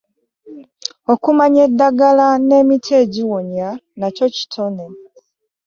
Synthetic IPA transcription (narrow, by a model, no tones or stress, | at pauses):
okumaɲe̞dːaɡalane̞ːmitʰe̞ːɟiwoɲanaco̞ci̥tʰone